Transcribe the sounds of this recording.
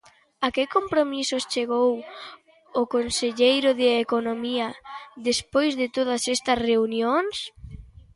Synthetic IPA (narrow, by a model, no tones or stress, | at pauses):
akɪkompɾomisost͡ʃeɣ̞ow | ʊkonseʎejɾʊðɪekonomiɐðespojzðɪt̪oð̞ɐsɛst̪ɐsreunjoŋs